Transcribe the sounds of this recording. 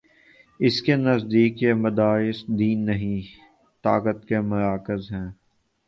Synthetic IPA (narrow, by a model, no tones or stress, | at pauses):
ɪskenɐzd̪iːkjemɐd̪aːɪsd̪iːnːɐɦĩ | t̪aːkət̪kemɐɾaːkɪzɦɛ̃ː